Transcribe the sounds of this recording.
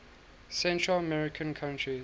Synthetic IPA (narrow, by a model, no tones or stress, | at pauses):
sɛ̃ntʰɹələmɛɹɪkʰə̃nkʰãʊ̃ntɹi